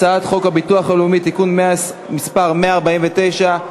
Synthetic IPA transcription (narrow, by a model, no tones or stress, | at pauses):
aat̪χo̞khabituaχalumit̪ikunmea | mispaʁme̞aːʁbaimvet̪e̞jʃa